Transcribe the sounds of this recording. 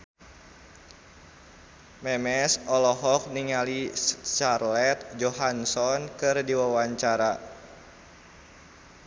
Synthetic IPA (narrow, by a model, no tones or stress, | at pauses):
mɛmɛsɔlɔɦɔk̚niŋaliʃarlɛt̪̚d͡ʒɔɦansɔnkɨrdiwawaɲt͡ʃaɾa